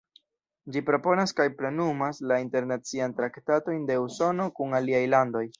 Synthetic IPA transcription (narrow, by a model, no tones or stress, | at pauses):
d͡ʒipɾo̞po̞naskajpɾe̞numaslainte̞ɾnat͡siantɾaktato̞jnde̞uso̞no̞kuŋaliajlando̞j